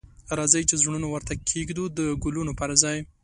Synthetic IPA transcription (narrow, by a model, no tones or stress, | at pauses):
ɾɑzəjt͡ʃezɳunowaɾt̪akʰːeɡd̪ud̪əɡʊlunopaɾazɑj